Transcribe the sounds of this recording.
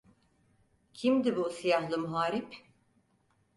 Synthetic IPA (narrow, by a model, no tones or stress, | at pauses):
cʰimd̪ibusijahlˠɯmuɦaːɾip